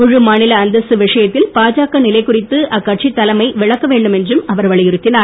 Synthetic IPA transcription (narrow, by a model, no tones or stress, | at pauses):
ʊɻɯmaːnɪlɐːnd̪ɐsɯʋɪʂɐjɐt̪ːɪlpaːd͡ʒaːkɐnɪlɐɪkːʊrɪt̪ːɯɐkːɐʈ̚t͡ʃit̪ːɐlɐmɐɪʋɪɭɐkːɐʋeːɳɖɯmɛndrɯmɐʋɐɾʋɐɭɪjɪɾɯt̪ːɪnaːɾ